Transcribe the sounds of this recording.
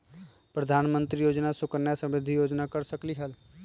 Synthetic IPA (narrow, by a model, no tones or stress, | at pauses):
pɾəd̪ʱaːnmə̃nt̪ɾijoːd͡ʒnasʊkənːjasə̃mɪd̪ʱijoːd͡ʒnakəɾsəkliɦəl